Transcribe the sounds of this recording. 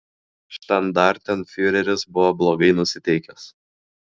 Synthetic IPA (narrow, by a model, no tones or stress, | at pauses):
ʃt̪ɐnd̪ɑˑɾt̪ʲɛnfʲyɾʲɛɾʲɪsbʊʋoblˠoːɡɐɪnʊsʲɪt̪ʲɛɪkʲɛs